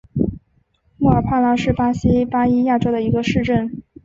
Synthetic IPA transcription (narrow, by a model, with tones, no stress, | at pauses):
mu˥˩ə˞˨˩pʰa˥˩la˥ʂɻ̩˥˩pa˥ɕi˥pa˥i˥ja˥˩ʈ͡ʂo˥ʊd̪ə˨˩i˧˥ɡə˧ʂɻ̩˥˧ʈ͡ʂə˥˩n